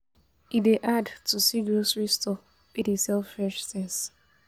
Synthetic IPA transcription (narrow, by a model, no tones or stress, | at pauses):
ideʔadtʰusiɡɹosɹistʰɔ | pidisɛlffɹɛʃsɛ̃ns